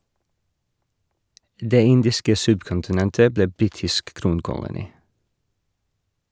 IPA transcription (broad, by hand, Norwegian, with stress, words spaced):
ˈdeː ˈɪndɪskə ˈsʉbkʊntɪˌnɛntə ˈbleː ˈbɾiːtɪsk ˈkɾuːnkʊlʊniː